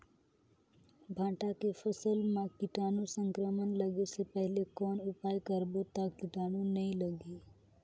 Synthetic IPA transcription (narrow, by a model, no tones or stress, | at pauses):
bʱãːʈakefəsəlmãkɪʈaːnũsə̃ŋkɾəmənləɡesepɛɦlekɔːnʊpaːjkəɾbot̪akkɪʈaːnũnəɦĩləɡiː